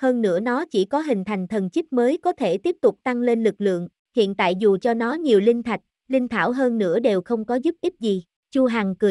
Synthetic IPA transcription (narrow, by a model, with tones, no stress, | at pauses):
həː˧nːɨ̰˧˥ənɔ˨˦t͡ɕi˧˩kɔ˨˦ɦï˨˩ŋ̟t̪ʰa˨˩jŋ̟t̪ʰə˨˩nt͡ɕi˦˥p̚məː˨˦jkɔ˨˦t̪ʰe˧˩t̪i˦˥əp̚t̪ʊ˨˩k͡p̚t̪a˧ŋle˧nlɨ˨˩k̚lɨ̰˧˨əŋ | hḭ˧˨ənt̪a̰ː˧˨jzu˨˩t͡ɕɔ˧nɔ˨˦ɲi˨˩əwlï˧ŋ̟t̪ʰa˨˩jk̟̚ | lï˧ŋ̟t̪ʰa̰ː˧˩wɦəː˧nːɨ̰˧˥əɗe˨˩wxə˧wŋ͡mkɔ˨˦zu˦˥p̚ʔi˦˥p̚zi˨˩ | t͡ɕu˧ɦaː˨˩ŋkɨ˨˩